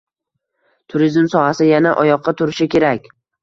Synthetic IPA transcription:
t̪ʰʊɾizmsɒhasɪjanaʔɒjɒqʰːɑt̪ʰʊɾɪʃɪkʲʰe̞ɾakʲ

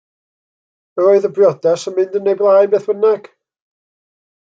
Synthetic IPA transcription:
mɛoɨðəbrjɔdɛsənmɪndənːejblˠajbeːθwənaɡ̥

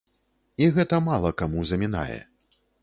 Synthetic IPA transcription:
iɣɛt̪ɐmalˠɐkamuzɐmʲina̰jɛ̰

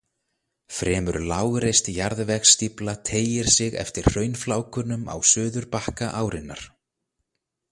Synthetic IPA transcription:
fɾɛːmʏɾlaːwɣɾejst̪jaɾðvɛxst̪iplat̪ʰeːjɪɾ̥sɪɣɛ̰ft̪ɪɾ̥r̥œːɥnflaːwkʏnːʏma̰wsʏːðʏɾpahkaʔaːwɾɪnːa̰ɾ̥

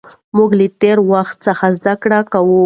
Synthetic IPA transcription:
muɡlit̪eɾwaxt̪̚səxazd̪akɽakawu

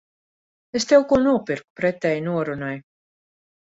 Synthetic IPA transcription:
est̪ewkuɔnuɔpiɾku̥pɾɛt̪ɛjnuɔɾunaj

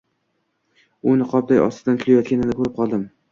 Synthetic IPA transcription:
ʊnɪqʰɒp̚d̪ajɒ̰st̪ɪd̪ant̪ʰʊlajɒt̪̚kʲanɪnɪkʰɵɾɪp̚qʰɒlˠd̪ɪm

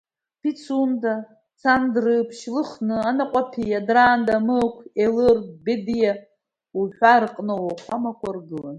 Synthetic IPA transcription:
pit͡sʰunta | t͡sʰandrɨpʰʃlɨχnɨanaqʷʼapʰijadraːndamɨkʷʰelɨrdbedija | uħʷᶣarqʼnɨwaχʷamakʷarɡɨlan

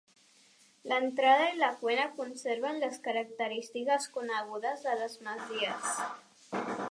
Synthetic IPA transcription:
lənt̪ɾað̞əiləkwenəkunseɾβənləskəɾək̚t̪əɾist̪ikəskunəɣ̞uðəzðələzməziəs

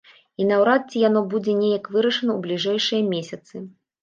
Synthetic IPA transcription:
inawɾat̪̚t͡sʲijan̪ɔbud͡zʲɛnʲejɐkvɨɾɐʂɨnɐwblʲiʐɛjʂɨjɐmʲesʲɐt̪sɨ

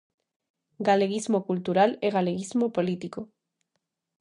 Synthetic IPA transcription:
ɡaleɣizmokult̪uɾaleɣaleɣizmopolit̪iko

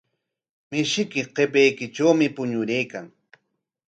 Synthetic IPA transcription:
mɪʃɪkɪqepajkɪʈ͡ʂawmɪpʊɲʊɾejkaŋ

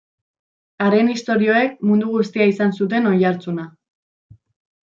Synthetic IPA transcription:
aɾe̞nist̪o̞ɾio̞e̞k̚mund̪uɣust̪iaisansut̪̬e̞no̞jaɾt͡suna

